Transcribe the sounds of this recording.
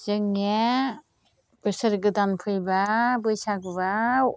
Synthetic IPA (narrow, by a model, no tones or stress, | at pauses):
z̥ɯŋe | b̥ɯsɯɾɡɯdanpʰɯjbabɯjsaɡba